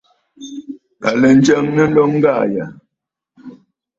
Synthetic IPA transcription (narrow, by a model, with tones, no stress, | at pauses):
a˨lɛ˨n̩˦d͡ʒɛ˦ŋnə˦n̩˦dɔ˦ŋŋ̩˦ɡa˦˨ja˨